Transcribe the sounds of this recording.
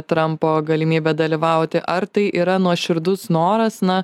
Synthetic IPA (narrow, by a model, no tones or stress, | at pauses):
t̪ɾɐmpoːɡɐlʲɪmʲiːbʲɛd̪ɐlʲɪʋɐʊt̪ʲɪʔɐɾt̪ɐɪʔiːɾɐnuɔʃʲɪɾd̪ʊsnoːɾɐsnɐ